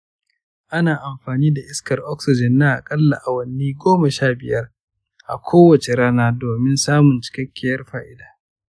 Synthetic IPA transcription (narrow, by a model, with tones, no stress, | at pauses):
ʔa˦naː˨ʔa˨mɸaː˨niː˦da˨ʔɪ˦skɐ˨rʔɔ˦ksɪ˨d͡ʒɪ˨nːa˦ʔa̰˨kʼɐ˦lːa˨ʔa˨wɐ˨nːiː˦ɡʷoː˦ma˨ʃaː˦bɪ˨jɐ˦r | ʔa̰˨kʷʰoː˦wɐ˨t͡ʃe˨ɾaː˦naː˦doː˨mɪ˦nsaː˦mʊ˨nt͡ʃɪ̥˦kʲɐ˦kʲːɪ˨jɐ˦rɸaː˦ʔɪ˦daː˨